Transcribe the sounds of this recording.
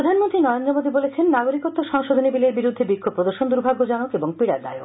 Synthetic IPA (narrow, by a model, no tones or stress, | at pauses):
ɾɾod̪ʱanmont̪ɾinɔeond̪ɾomod̪ibolet͡ɕʰenːaɡoɾikot̪ːoʃɔŋʃod̪ʱonibileɾbiɾud̪ʱːebikʰːob̚pɾod̪oɾʃond̪uɾbʱaɡːod͡ʑanokeboŋpiɾa̰ɾd̪a̰jok